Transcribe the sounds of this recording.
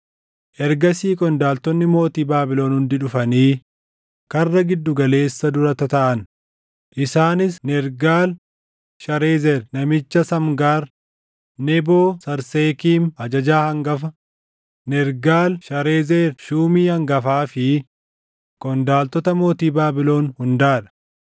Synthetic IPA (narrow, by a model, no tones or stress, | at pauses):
ʔɛɾɡɐsiːkʼɔnd̪aːlt̪ɔnːɪmo̞ːt̪iːbaːbɪloːnhʊnd̪ɪᶑʊfɐniː | kɐrːɐɡɪd̪ːʊɡɐle̞ːsːɐd̪ʊɾɐt̪ɐt̪ɐʔɐn | ʔɪsaːnɪsnɛɾɡaːl | ʃɐɾe̞ːzɛɾnɐmɪt͡ʃːɐsɐmɡaːɾ | nɛboːsɐɾse̞ːkiːmhɐd͡ʒɐd͡ʒaːhɐŋɡɐfɐ | nɛɾɡaːlʃɐɾeːzeːɾʃuːmiːhɐŋɡɐfaːfɪ | kɔnd̪aːlt̪ɔt̪ɐmo̞ːt̪iːbaːbɪlo̞ːnhʊnd̪aːᶑɐ̥